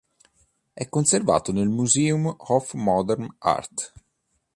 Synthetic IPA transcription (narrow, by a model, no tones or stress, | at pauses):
ɛkːonserva̰ːt̪onelmuzeːumhɔfmːɔd̪ɛɾma̰rt̪